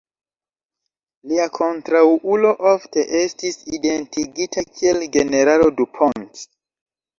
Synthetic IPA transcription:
liakʰontɾawʔulo̞ʔofte̞ʔestisidentiɡitʰakʰielɡe̞neɾalodupʰont

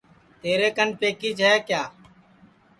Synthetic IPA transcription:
t̪eːɾeːkənpeːkiːd͡ʒɦɛːkjaː

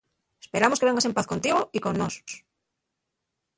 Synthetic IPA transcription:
espe̞ɾamokeeŋɡase̞mpaθkont̪iɣ̞oiko̞nːoso̥s

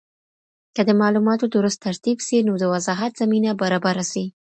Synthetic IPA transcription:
kəd̪əmɑlumɑt̪od̪əɾust̪aɾt̪ibʃinod̪əwazɑɦat̪z̥aminabaɾɑbaɾaswi

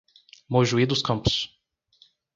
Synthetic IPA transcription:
moʒuid̪ʊskɐ̃mpʊ̥s

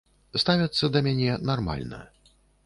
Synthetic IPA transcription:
st̪avʲɐt̪sːɐd̪ɐmʲanʲɛnarma̰lʲnɐ̰

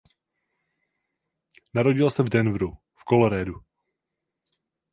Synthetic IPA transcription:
naɾo̞ɟɪlsɛvdɛnvɾu | fkoloɾɛːdu

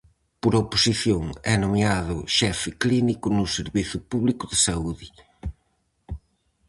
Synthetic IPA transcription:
pʊɾaopusiθjoŋɛnomiaðʊ̰ʃɛfɪklinikʊnʊseɾβiθʊpuβlikʊðɪsauðɪ

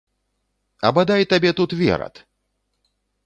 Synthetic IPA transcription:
ɐ̰bad̪ajt̪abʲɛt̪ut̪vʲɛ̰ɾɐ̰t̪

